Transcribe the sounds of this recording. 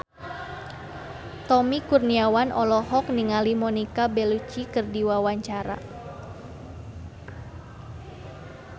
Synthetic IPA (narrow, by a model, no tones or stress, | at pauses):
t̪ɔmikurniawanʔɔlɔɦɔk̚niŋalimɔnikabɛlut͡ʃikɨrdiwawaɲt͡ʃaɾa̰